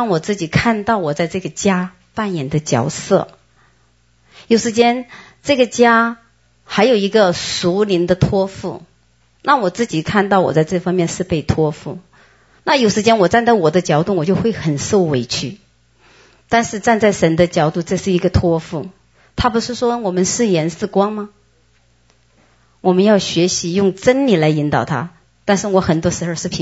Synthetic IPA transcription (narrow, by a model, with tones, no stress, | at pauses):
ɑ˥˩ŋwɔ˨˩t͡sɹ̩˥˩t͡ɕi˨˩kʰa˥˧nt̪ɑ˥˩ʊwɔ˨˩t͡sa˥˧ɪʈ͡ʂɤ˥˩ɡə˩t͡ɕja˥ | pa˥˩njɛ˨˩nd̪ə˦t͡ɕjɑ̰˨˩ʊsɤ̰˥˩ | jo˨˩ʊʂɻ̩˧˥t͡ɕjɛ˥n | ʈ͡ʂɤ˥˩ɡə˩t͡ɕja˥ | xa˧˥ɪjo˨˩ʊi˧˥ɡə˧su˧˥li˧˥ŋd̪ə˧t̪ʰwɔ˥fṵ˥˩ | na˥˩wɔ˨˩t͡sɹ̩˥˩t͡ɕi˨˩kʰa˥˧nt̪ɑ˥˩ʊwɔ̰˨˩t͡sa˥˧ɪʈ͡ʂɤ˥˩fɑ˥ŋmjɛ˥˧nʂɻ̩˥˧pe˥˩ɪt̪ʰwɔ˥fṵ˥˩ | na˥˩jo˨˩ʊʂɻ̩˧˥t͡ɕjɛ˥nwɔ˨˩t͡sa˥˧nt͡sa˥˩ɪwɔ˨˩d̪ə˦t͡ɕjɑ˧˥ʊt̪ʊ˥˩wɔ˨˩t͡ɕjo˥˧ʊxwe˥˩ɪxə˨˩nso˥˩ʊwe˧˥ɪt͡ɕʰy˥˩ | t̪a˥˧nʂɻ̩˥˧t͡sa˥˧nt͡sa˥˩ɪʂə˧˥nd̪ə˧t͡ɕjɑ˨˧˥ʊt̪u˥˧ʈ͡ʂɤ˥˧ʂɻ̩˥˩i˧˥ɡə˧t̪ʰwɔ˥fu˥˩ | t̪ʰa˥pu˧˥ʂɻ̩˥˩ʂwɔ˥wɔ˨˩mə˦nʂɻ̩˥˩jɛ˧˥nsɹ̩˥˩kwɑ˥ŋma˨ | wɔ˨˩mə˦njɑ˥˩ʊɕɥɛ˧˥ɕi˧˥jʊ˥˩ŋʈ͡ʂə˥nli˨˩la˧˥ɪi˧˥nt̪ɑ˨˩ʊt̪ʰa̰˥ | t̪a˥˧nʂɻ̩˥˩wɔ˧˥xə˨˩nt̪wɔ˥ʂɻ̩˧˥xo˥˧ʊʂɻ̩˥˩pʰ